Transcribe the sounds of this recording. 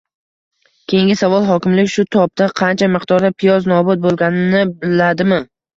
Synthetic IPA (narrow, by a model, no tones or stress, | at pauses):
kʲʰe̞jɪŋʲɪsavɒlˠɦɒkʲɪmlɪkʲʃʊt̪ʰɒp̚t̪aqʰɑnt͡ʃʰamɪqt̪ʰɒɾd̪apʰɪjɒznɒbʊt̪̚bolˠɡʲanɪnɪbɪlːad̪ɪmɪ